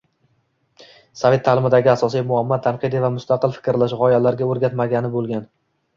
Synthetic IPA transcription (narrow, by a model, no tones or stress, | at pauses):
savʲe̞t̪ʰːaːlɪmɪd̪aɡʲɪasɒsijmʊamːɒt̪ʰanqʰɨd̪ivamʊst̪aqɨlˠfɪ̥kʲɾlaʃʁɒjalaɾɡʲaɵɾɡʲat̪maɡʲanɪbolˠɡʲan